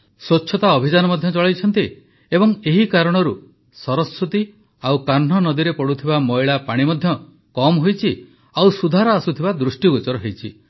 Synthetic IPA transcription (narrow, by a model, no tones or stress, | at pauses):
sot͡ʃːʃʰɔt̪aɔbʱid͡ʒanɔmɔd̪ʱjɔt͡ʃɔɭajt͡ʃʰɔnt̪i | ebɔŋeɦikaɾɔɽ̃ɔɾu | sɔɾɔsɾut̪i | awkaɾɳ̤ɔnɔd̪iɾepɔɽut̪ʰibamɔjɭapaɽ̃imɔd̪ʱjɔ | kɔmɦojt͡ʃʰi | awsud̪ʱaɾɔasut̪ʰibad̪ɾusʈjiɡot͡ʃɔɾɔɦejt͡ʃʰi